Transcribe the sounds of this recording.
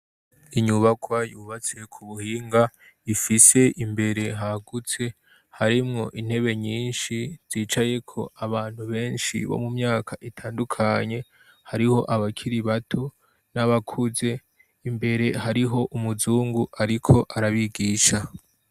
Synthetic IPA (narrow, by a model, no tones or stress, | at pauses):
iɲuβakʰwajuːβat͡se̞kʰuβuhiːŋɡa | ifise̞ʔimbe̞ɾe̞ɦaɡut͡se̞ | haɾimŋo̞ʔin̥he̞βe̞ɲiːnʃiz̥iːt͡ʃaje̞kʰo̞̰ʔaβaːn̥huβe̞ːnʃḭβo̞̰mumɲaːkʰaʔitʰaːndukʰaɲe̞ | haɾiho̞ʔaβakʰiɾiβatʰo̞ | naβakʰuze̞ | imbe̞ɾe̞ɦaɾiɦo̞ʔumuzuːŋɡuʔaɾikʰo̞ʔaɾaβiɡiːʃa